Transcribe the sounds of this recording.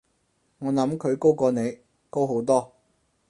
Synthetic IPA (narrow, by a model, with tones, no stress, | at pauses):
ŋɔː˨˧nɐ˨˥mkʰɵ˨˧ɥko˥wkɔː˧ne˨˧j | ko˥wɦo˨˥wt̪ɔː˥